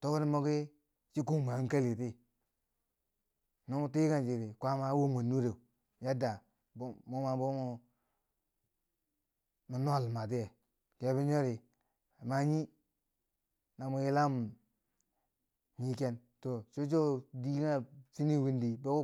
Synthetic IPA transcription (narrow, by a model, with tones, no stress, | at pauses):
to˦ko˦ɾi˦mo˦ki˦ | t͡ʃi˦ku˦˨m˨a˨˦ka˦li˨ti˦ | no˦mu˦ti˦ka˦˨d͡ʒi˨ɾi˨kʷa˦ma˦wo˦mʷa˨nːu˦ɾe˨u˨ | ja˦da˨ | bmo˦ma˨bo˦mu˦ | mu˨n˦a˨lma˨t̬i˦je˨ | ke˨˦bi˦ɲo˦ɾi˨ | ma˦ɲi˦ | na˨mu˨ji˦la˦m˨ | ɲi˦ke˦n | to˨t͡ʃo˦t͡ʃo˦di˦a˦si˦ni˦wi˦ndi˨be˦o˦